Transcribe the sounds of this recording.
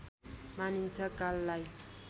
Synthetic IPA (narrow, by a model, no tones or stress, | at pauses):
manint͡sʌkalːaj